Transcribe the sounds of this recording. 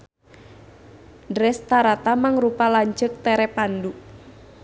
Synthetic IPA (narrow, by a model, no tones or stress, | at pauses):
dɾɛst̪aɾat̪amaŋrupalaɲt͡ʃək̚t̪ɛɾɛpandu